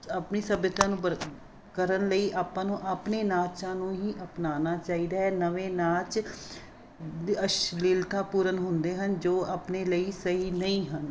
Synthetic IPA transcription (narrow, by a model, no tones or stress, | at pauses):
aːpniːsəbɪt̪ãːnũːbə | kəɾənləiːʔaːpːãːnũːʔaːpneːnaːt͡ʃãːnũːɦiːʔəpnaːnaːt͡ʃaːiːd̪aːɦɛːnəʋeːnaːt͡ʃ | əʃliːlt̪aːpuːɾənɦʊnd̪eːɦənd͡ʒoːaːpneːləiːsəɦiːnəĩːɦən